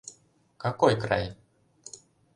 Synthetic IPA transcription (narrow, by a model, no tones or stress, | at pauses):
kakɔjkɾa̰j